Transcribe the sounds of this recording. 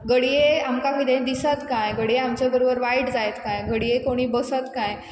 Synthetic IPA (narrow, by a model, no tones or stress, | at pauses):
ɡəɽijeamkaʋid̪ẽd̪isət̪kãjɡəɽijeamt͡ɕabəɾobəɾʋaiʈd͡zajt̪kãjɡəɽijekoɽ̃iːbəsət̪kãj